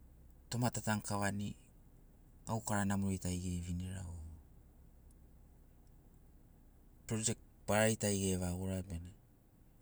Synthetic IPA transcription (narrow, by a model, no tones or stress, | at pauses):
to̞matataŋkaβani | awkaɾanamoɾejtajɡe̞jβiniɾa̰o | pɾod͡ʒek̚tpaɾajtajɡe̞βaɡoɾabene